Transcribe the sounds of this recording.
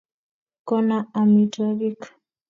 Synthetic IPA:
kɔnaamitalik

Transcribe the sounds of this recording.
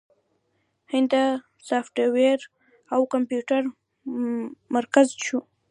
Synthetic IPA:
hɪnd̪a | sɑfʈaweɾ | awkampjuʈaɾ | maɾkazt͡ʃu

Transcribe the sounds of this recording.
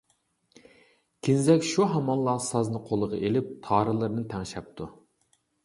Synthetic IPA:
kʲʰinzɛkʲʃuɦɑmɑnlˠɑsɑznɨqʰolˠəʁɑ̰ʔelɪp̚t̪ʰɑːɾɨlˠɨɾnɨt̪ʰɛŋʃɛp̚t̪ʰu

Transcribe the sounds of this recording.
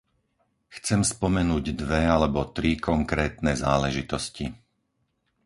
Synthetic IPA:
xt͡sɛmspɔmɛnuːɟd̪ʋɛalɛbɔt̪ɾikʰɔŋkɾɛːt̪nɛzaːlɛʒit̪ɔsci

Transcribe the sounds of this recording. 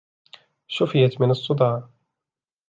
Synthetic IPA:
ʃʊfɪjat̪mɪnɑsˤːʊd̪ˤɑːʕ

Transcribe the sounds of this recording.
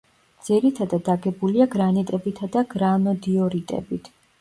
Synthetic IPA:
d̪z̥iɾit̪ʰad̪ad̪aɡɛbuliaɡɾanit̪ʼɛbit̪ʰad̪aɡɾanɔd̪iɔɾit̪ʼɛ̰bit̪ʰ

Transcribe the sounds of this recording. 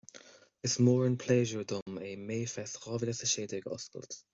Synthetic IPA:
ɪsmoːɹənpʰleːʒəɹdʊmeːmeːfɛsʁɑːvɪləsəʃeːdɪɡɔ̰skə̰lt

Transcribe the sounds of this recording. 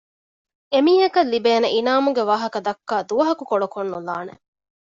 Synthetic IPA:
emiːɦɐkɐlːibeːneʔinaːmuɡeʋaːɦɐkɐd̪ɐkːaːd̪uʋɐɦɐkukoɖokonːula̰ːnḛ

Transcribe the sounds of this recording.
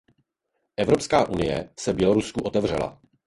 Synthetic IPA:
ʔɛvɾo̞pskaːʔunɪjɛ̰sɛbjɛlo̞ɾuskuʔo̞t̪ɛvr̝ɛla̰

